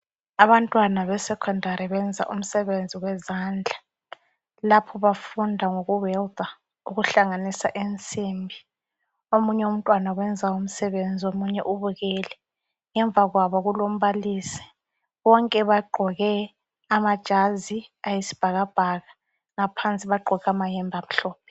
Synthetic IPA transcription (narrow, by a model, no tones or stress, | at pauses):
aβantʼwanaβɛsɛkʰɔndʱaɾiβɛnd͡zʱa̰ʔum̩sɛβend͡zʱiwɛzaːnd͡ɮʱa | lapʰɔβafundʱaŋoɣuwɛld̪ʱa | uɣuɬaŋanisa̰ʔent͡sʼimbʱi | omuɲɛum̩tʼwanawɛnd͡zʱaum̩sɛβend͡zʱiomuɲɛ̰ʔuβuɣɛːlɛ | ŋɛɱb̪vʱaɣwaβɔɣulom̩βaliːsi̥ | βɔŋkʼɛβaɡ͡ǃʱɔɣɛ | amad̥ʒ̥ʱaziajisi̥b̥ʱaɣab̥ʱaɣa | ŋapʰant͡sʼiβaɡ͡ǃʱɔɣamajɛmbʱam̩ɬɔːp̚ʰɛ̥